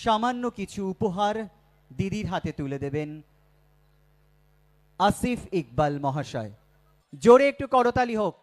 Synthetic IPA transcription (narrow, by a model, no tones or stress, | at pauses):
ʃamanːokit͡ɕʰuupoɦaɾ | d̪id̪iɾɦat̪et̪uled̪eben | asifik̚balmɔɦaʃɔe | d͡ʑoɽeek̚ʈukɔɽot̪aliɦok̚